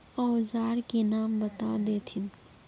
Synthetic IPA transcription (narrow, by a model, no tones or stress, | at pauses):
ɔːzaːɾkenaːmbət̪ad̪eːt̪ʰɪn